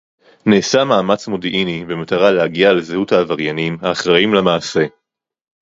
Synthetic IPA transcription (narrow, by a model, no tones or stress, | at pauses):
neːsamaːmat͡smodiʔinibe̞mataʁalehaɡialezehuthaːvaʁjanimhaːχʁaimlemaːse̞